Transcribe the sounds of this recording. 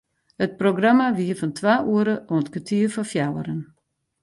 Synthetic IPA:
hət̚proɡramaʋiəfɔntʰwaːʔuəɾəʔoətkətʰiəfɔfjawəɾən

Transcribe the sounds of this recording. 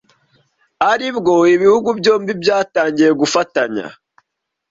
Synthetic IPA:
aɾibɡo̞iβihuɡubɟo̞ːmbibjaːtaːɲɟije̞ɡufataɲa̰

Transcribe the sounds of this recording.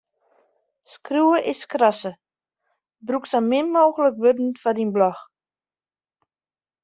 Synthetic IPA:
skruːəʔɪskrɔsə | bruksamɪnmoːɣələk̚ʋødn̩fadinblɔx

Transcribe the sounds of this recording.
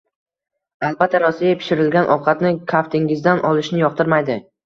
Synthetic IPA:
alˠbat̪ʰːaɾɒsijapʰɪ̥ʃɪɾɪlɡʲanʔɒwqʰɑt̪nɪkʰaft̪ʰɪŋɪzd̪anʔɒlˠɪʃnɪjɒq̚t̪ʰɪɾmajd̪ɪ

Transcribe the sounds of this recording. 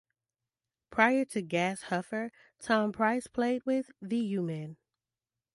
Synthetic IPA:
pʰɹ̥aɪə˞ɾɨɡæshʌfə˞ | tʰɑ̃mpʰɹ̥aɪspʰl̥eɪd̚wɪðɨjʉmɛ̃n

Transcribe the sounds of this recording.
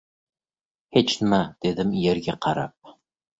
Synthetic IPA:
het͡ʃnɘmad̪̥ed̪ɘmjeɾɡʲeqʰɑɾɑ̰p̚

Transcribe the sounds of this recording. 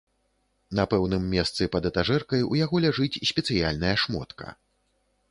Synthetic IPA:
nɐpɛwnɨmːʲɛst̪sɨpɐd̪ɛt̪aʐɛrkɐjujaɣɔlʲaʐɨt͡sʲsʲpʲɛt̪sɨja̰lʲnɐjɐʂmɔ̰t̪kɐ̰

